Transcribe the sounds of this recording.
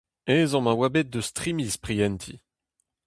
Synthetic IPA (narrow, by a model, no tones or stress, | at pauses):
ɛzɑ̃mawabɛt̪̚d̪əst̪χimispχijɛnt̪ʰḭ